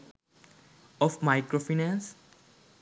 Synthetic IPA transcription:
ɔfmaɪkɾofinɛ̃ns

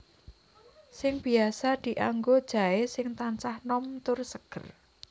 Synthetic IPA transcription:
sɪŋb̥iasad̪̥i̤ʔaŋɡod̥ʒ̥a̤esɪŋt̪ant͡ʃahnɔmt̪ʊrsəɡ̥ər

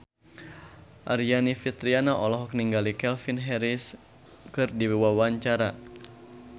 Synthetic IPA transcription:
ʔaɾianifit̪ɾianaʔɔlɔɦɔk̚niŋɡalikɛlfinɦɛɾis | kɨrdiwiwawaɲt͡ʃaɾa

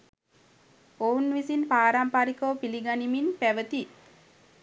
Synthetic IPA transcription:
ounʋisinpaːɾampaːɾikəʋpiliɡaniminpæʋət̪i

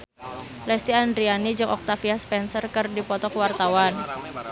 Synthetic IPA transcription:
lɛst̪iandɾianid͡ʒɨŋʔɔk̚t̪afiaspɛnsərkərdipɔt̪ɔkwart̪awan

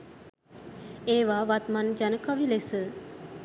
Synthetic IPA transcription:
eːʋaːʋat̪mand͡ʒanəkaʋilesə

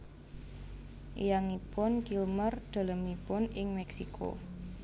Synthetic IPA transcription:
jaŋipʊnkilmərd̪̥ə̤ləmipʊnɪŋmɛksikʰo̰

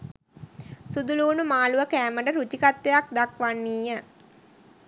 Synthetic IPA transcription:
sud̪uluːnumaːluʋəkæːməɖəɾut͡ʃikat̪ːejak̚d̪akʋanːiːjə

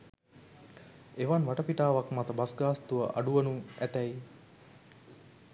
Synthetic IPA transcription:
eʋanʋaʈɐpiʈaːʋakmat̪əbasɡaːst̪uʋɐʔa̰ɖuʋɐnuæt̪ɛj

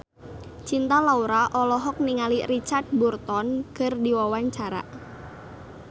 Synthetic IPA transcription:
t͡ʃint̪alauɾaʔɔlɔɦɔk̚niŋalirit͡ʃard̚burt̪ɔnkərdiwawaɲt͡ʃaɾa̰

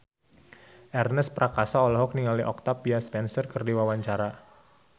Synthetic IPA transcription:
ʔɛrnəspɾakasaɔlɔɦɔk̚niŋaliʔɔk̚t̪apiaspɛnsərkərdiwawaɲt͡ʃaɾa

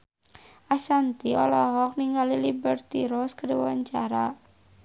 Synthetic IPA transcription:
ʔasant̪iɔlɔɦɔk̚niŋalilibərt̪iɾɔskaɾiwa̰ɲt͡ʃaɾa

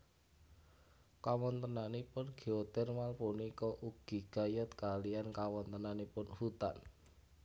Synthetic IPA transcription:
kawɔnt̪ənanipʊnɡ̥i̤ot̪ɪrmalpunikɔʔuɡ̥i̤ɡ̥ajɔt̪kaliankawɔnt̪ənanepʊnhut̪a̰n

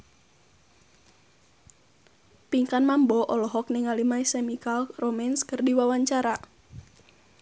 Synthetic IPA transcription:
piŋkanmambɔʔɔlɔɦɔk̚nɛŋalimaisɛmikalromɛnskərdiwawaɲt͡ʃaɾa

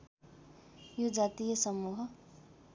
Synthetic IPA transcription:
jod͡zat̪ijʌsʌmuɦʌ

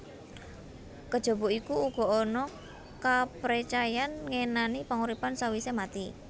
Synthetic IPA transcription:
kəd̥ʒ̥ɔ̤buikuːɡ̥ɔ̤ʔonɔ | kapɾit͡ʃajanŋenanipaŋuɾipansawisemat̪i

